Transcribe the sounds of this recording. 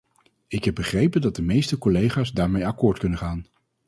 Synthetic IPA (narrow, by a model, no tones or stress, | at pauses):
ɪkɦɛb̚bəχrejpəndɑt̚dəmejstəkɔlejχaːzdaːɹmejɑkʊːɹtkɵnənχaːn